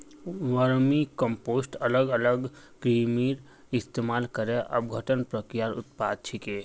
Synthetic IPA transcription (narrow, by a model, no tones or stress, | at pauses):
ʋəɾmikə̃mpoːsʈələɡələɡkɾimiːɾ | ɪst̪eːmaːlkəɾeʔə̰bɡʱəʈənpɾəkɾijaɾʊ̰t̪̚paːd̪̚t͡ʃʰikeː